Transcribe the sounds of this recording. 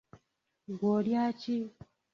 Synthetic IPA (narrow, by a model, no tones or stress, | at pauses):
ɡoɾjat͡ʃi